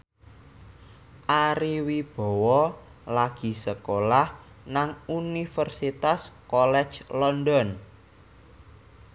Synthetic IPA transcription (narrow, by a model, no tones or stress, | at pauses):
ʔaɾiwib̥ɔ̤wɔ | laɡ̥i̤səkolah | naŋunifərsit̪askɔlɛd̥d͡ʒlɔnd̪ɔn